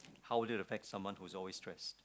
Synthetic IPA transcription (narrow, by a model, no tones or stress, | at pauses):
haʊwədɪɾəfɛk̚tsʌ̃mwʌ̃nhuzɔlwestɹ̥ɛst